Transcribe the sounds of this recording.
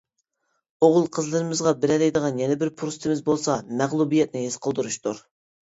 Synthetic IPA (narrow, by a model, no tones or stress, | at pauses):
oʁʊlˠqʰəzlˠɨɾɨmɨzʁɑbɪɾɛlɛjd̪əʁɑnjɛnɛbɪɾpʰuɾst̪ʰɪmɪzbolˠsɑmæʁlˠubijɛt̪̚nɪɦɪz̥qʰəlˠd̪uɾuʃt̪uɾ